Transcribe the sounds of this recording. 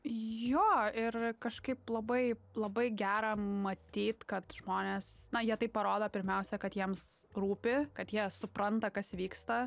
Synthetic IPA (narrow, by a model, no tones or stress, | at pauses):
joːɪrkɐʃkɐɪplˠɐbɐɪ | lˠɐbɐɪɡʲæːɾɐmɐt̪ʲiːt̪kɐt̪ʒ̥moːnʲeːsnɐjiɛt̪ɐɪppɐɾoːd̪oːpʲɪɾʲmʲɛʊsʲɛkɐt̪jiɛmsruːpʲɪkɐt̪jiɛsʊpɾɐnt̪ɐkɐsʋʲiːkst̪ɐ